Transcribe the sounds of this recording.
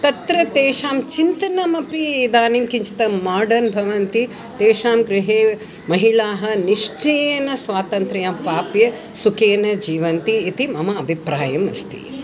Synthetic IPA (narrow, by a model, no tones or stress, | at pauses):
t̪ɐt̪ɾɐt̪eːʂaːmt͡ʃint̪ɐnɐmɐpid̪aːniːmkiɲt͡ʃi̥t̪ɐmaːɾɖɐnbʱɐʋɐnt̪i | t̪eːʃaːmɡɾɪɦeː | mɐɦiɭaːɦɐ̆niʂt͡ʃeːnɐsʋaːt̪ɐnt̪ɾɐjaːmpaːpjɐ | sukeːnɐd͡ʒiːʋɐnt̪iːt̪imɐmɐɐbʱipɾaːjɐmɐ̰st̪ḭ